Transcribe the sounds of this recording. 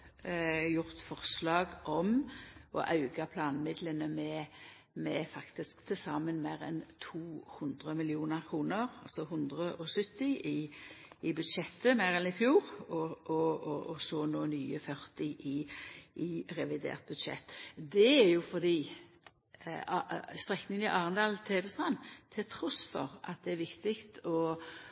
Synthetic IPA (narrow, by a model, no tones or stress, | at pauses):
jʊʁt̪fɔʁslɑːɡʔɔmɔ̰ʔɑʉɡɑpʰlɑːnmɪd̪lənəmɛ | mɛfɑkt̪ɪskt̪ʰɪlsɑmənmeːɾɛ̰nt̪ʰuːhʉnd̪ʁəmɪlɪuːnəɾkʰʁuːnəʁɑ̰lsɔɦʉnd̪ʁəʔɔsʏt̪ːɪʔɪɪbʉd̪ʃɛt̪ːəmæʁɛnɪfjuːʁɔɔɔɔsoːnoːnyːəfœʁt̪ɪʔɪʔɪʁɛʋɪd̪ḛːʁt̪̚bʉd̪ʂɛ̰t̪ːd̪ɛæɾjʊfɔd̪iː | st̪ʁɛknɪŋənɪʔɑːʁənd̪ɑːlt̪ʰeːd̪əst̪ʁɑnːt̪ʰɪlt̪ʰɾɔsfɔ̰ʁɑ̰t̪̚d̪ɛæɾʋɪkt̪ɪkt̪ʰɔ